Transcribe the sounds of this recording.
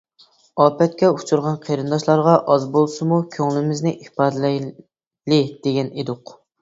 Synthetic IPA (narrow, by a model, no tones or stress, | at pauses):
ɑːpɛt̪̚kʲɛut͡ʃʰuɾʁɑnqʰeɾɨnd̪ɑʃlˠɑɾʁɑʔɑzbolˠsɨmukʲʰøŋlɪmɪznɪʔipʰɑːd̪ɨlɛj | lɪd̪̥eɡʲɛned̪ʊq